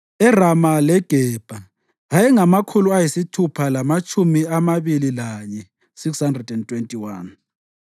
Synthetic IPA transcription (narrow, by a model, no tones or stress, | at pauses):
ɛramalɛɡ̥ʱɛːb̥ʱaː | jɛŋamakʰuluajisitʰupʰalamat͡ʃʼumiamaβililaɲɛ | sikshandrɛdɛntʰʼwentʼiwan